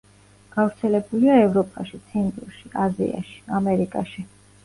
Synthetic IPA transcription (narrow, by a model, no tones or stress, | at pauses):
ɡ̥avɾt̪sʰɛlɛbuliaɛvɾɔpʼaʃit̪sʰɛnt̪ʼɾuʃiazḭa̰ʃi̥amɛɾikʼaʃi